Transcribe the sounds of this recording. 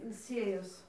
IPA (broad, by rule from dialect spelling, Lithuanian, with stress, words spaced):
ɪn ˈsʲeːjoːs